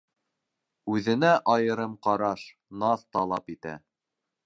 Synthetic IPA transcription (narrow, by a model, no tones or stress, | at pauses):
ʉðɘ̆næʔɑjɤ̆ɾɤmqɑɾɑʃ | nɑθt̪ɑlˠɑpit̪æ̰